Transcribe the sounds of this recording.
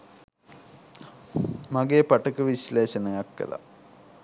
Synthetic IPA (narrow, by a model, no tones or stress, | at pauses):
mɐɡepɐʈɐkɨʋiɕleːʃɐnɐjakːḛla̰